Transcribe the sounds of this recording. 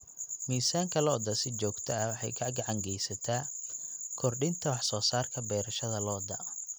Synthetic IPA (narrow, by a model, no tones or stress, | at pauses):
miːsaːŋkʰɐlɔːd̪ɐsɪt͡ʃɔːɡt̪ʰɐɐwɑħɑ̰jkʰɐɡɐʕɑŋɡɛjsɐt̪ʰaː | kʰɔrɖɪnt̪ʰɐwɑħsɔːsaːrkʰɐbɛːɾɐʃɐðɐlɔːd̪ɐ̰